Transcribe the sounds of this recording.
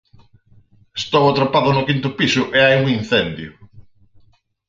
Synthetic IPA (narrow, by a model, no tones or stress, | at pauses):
est̪owat̪ɾopaðʊnʊkint̪ʊpisʊʔeajuŋin̟θɛnd̪jʊ̰